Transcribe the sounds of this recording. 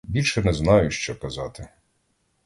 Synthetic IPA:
bʲilʲʃɛnɛznɑjʊʃt͡ʃɛkɐzɑt̪ɪ

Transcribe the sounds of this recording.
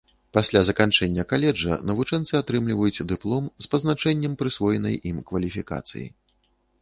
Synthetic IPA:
pasʲlʲazɐkant͡ʂɛnʲːɐkalʲɛd͡ʐɐ̰nɐvut͡ʂɛnt̪sɨat̪ɾɨmlʲivɐjut͡sʲd̪ɨplˠɔmspɐznat͡ʂɛnʲːɐmpɾɨsvɔjɛnɐ̰jʔimkvɐlʲifʲika̰t̪sɨ̰jḭ

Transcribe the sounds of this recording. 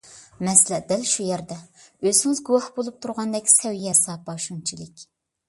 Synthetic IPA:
mɛslɛd̪ɛlʃujɛɾd̪ɛøzɪŋɪzɡuwɑhbolˠup̚t̪ʰuɾʁɑnd̪ɛkʲʰsɛwjɛsɑːpɑʃunt͡ʃʰilɪkʲ

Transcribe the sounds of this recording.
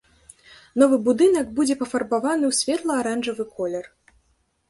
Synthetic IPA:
nɔvɨbud̪ɨn̪ɐɡbud͡zʲɛpɐfɐrbavanɨwsʲvʲɛt̪lˠɐaɾanʐɐvɨkɔlʲɛr

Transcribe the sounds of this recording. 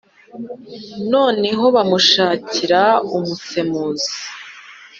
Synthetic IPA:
no̞ːne̞ɦo̞βamuʃaːciɾaumuse̞muːzi

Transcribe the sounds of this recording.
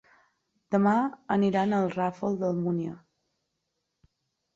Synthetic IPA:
d̪̥əmaəniɾanəlˠrafəlˠd̪əlˠmunjə

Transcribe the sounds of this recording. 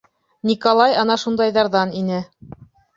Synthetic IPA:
nʲikolˠɑjɑnɑʃund̪ɑjðɑɾðɑninɘ

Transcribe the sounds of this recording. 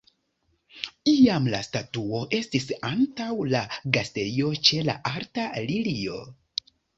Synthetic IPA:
iamla̰statuo̞ʔe̞stisantawlaɡaste̞io̞t͡ʃe̞la̰ʔaɾtalilio̞̰

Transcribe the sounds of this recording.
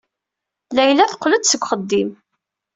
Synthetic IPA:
læjlæθqːləd̪səɡʷχəd̪ːim

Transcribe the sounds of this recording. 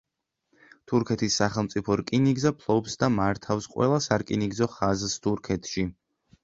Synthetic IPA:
t̪ʰuɾkʰɛt̪ʰisːaχɛlˠmt̪sʼipʰɔɾkʼiniɡzapʰlˠɔbsd̪amaɾt̪ʰafsqʼwɛ̰lˠasaɾkʼiniɡzɔχazst̪ʰuɾkʰɛt̪ʰʃi

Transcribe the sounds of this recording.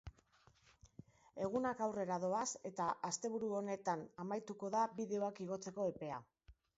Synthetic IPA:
e̞ɣ̞unakawre̞ɾaðo̞ase̞t̪aʔast̪e̞β̞uɾuo̞ne̞t̪anamajt̪uko̞ðaβiðe̞o̞akiɣ̞o̞t͡se̞ko̞e̞pe̞a

